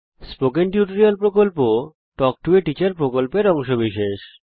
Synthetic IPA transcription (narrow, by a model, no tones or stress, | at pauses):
spokenʈjuʈoɾiolpɾokolpo | ʈɔk̚ʈueʈit͡ɕaɾpɾokolpeɾɔŋʃobiʃeʃ